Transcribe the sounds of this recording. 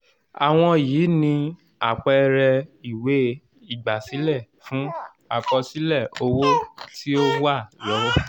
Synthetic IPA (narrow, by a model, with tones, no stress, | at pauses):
a˨w̃ɔ̃˧jiː˨˦nĩ˧ | a˨k͡pɔ˧ɾɛ˧i˨we˨˦ | i˦˨ɡ͡ba˨si˨˦lɛ˦˨ | fũ˨˦ | a̰˦˨k͡pɔ˧si˦lɛ˦˨o˧wo˦ti˦o˦a˦˨lɔ˨˦wɔ˦